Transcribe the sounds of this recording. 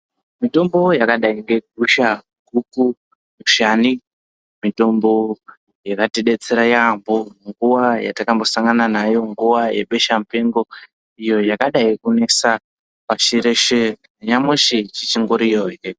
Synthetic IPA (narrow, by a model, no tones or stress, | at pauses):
mito̞mbo̞jakaɗaiŋɡe̞ɡ̚ʱuʃa | ɡʱuku | muʃani | mito̞mbo̞ | jakateɗe̞t͡seɾajamboŋɡuwaja̰takambo̞saŋɡananajo̞ŋɡuʋajḛɓe̞ʃam̩pe̞ŋɡo̞ | ijo̞jakaɗaikune̞sa | paʃiɾeʃe | ɲamweʃet͡ʃit͡ʃiŋɡoɾijoje